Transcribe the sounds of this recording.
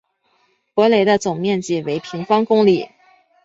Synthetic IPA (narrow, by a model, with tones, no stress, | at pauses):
kwɔ˧˥le˨˥ɪd̪ə˧t͡sʊ˨˩ŋmjɛ˥˧nt͡ɕi˥˩we˧˥ɪpʰi˧˥ŋfɑ˥ŋkʊ˥ŋli˨˩˦